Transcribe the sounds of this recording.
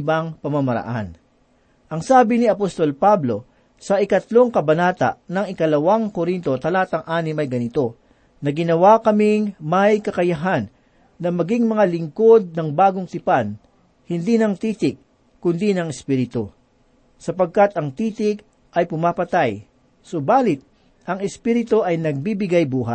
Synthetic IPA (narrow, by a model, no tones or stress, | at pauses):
ɪbaŋpɐmɐmɐɾɐ̰ʔa̰n | ʔɐŋsaːbɪniɐpost̪o̞lpablo̞ | sɐʔɪkɐt̪lo̞ŋkɐbɐnaːt̪ɐ̰ʔnɐŋɪkɐlɐwaŋkoɾint̪o̞t̪ɐlaːt̪ɐŋʔaːnɪmɐjɡɐnɪt̪o̞ | nɐɡɪnɐwakɐmiŋmɐjkɐkɐjɐɦanː | ɐmɐɡiŋmɐŋalɪŋko̞d̪̚nɐŋbaːɡoŋt̪ɪpan | hɪnd̪iːnɐŋt̪iːt̪ɪk̚ | kːʊnd̪inɐŋɛspiɾɪt̪o | sɐpɐɡ̚kat̪ɐŋt̪iːt̪ɪk̚ | ʔɐjpʊmapɐt̪aj | sobaːlɪt̪̚ | ʔɐŋɛspiːɾɪt̪oʔɐjnɐɡ̚bibɪɡajbuːɦa̰t̪̚